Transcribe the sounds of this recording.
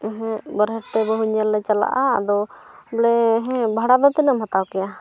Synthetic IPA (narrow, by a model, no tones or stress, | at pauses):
ɦbəɾɦɛɾt̪ɛbəɦuɲəlːɛt͡ʃala̰ʔaa̰d̪ɔ | bɽɛɦɛ̃bʱaɽad̪ɔt̪inəmɦat̪awkɛja